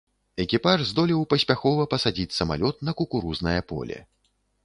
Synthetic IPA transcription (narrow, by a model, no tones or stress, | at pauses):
ɛkʲipaʐzd̪ɔlʲiwpɐsʲpʲaxɔvɐpɐsad͡zʲit͡sʲsɐma̰lʲɔt̪̚nɐkukuɾuznɐjɐpɔ̰lʲɛ̰